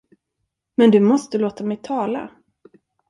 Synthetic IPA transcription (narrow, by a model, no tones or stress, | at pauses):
mɛnd̪ɵmɔst̪əloːt̪amɛjt̪ʰɑːla̰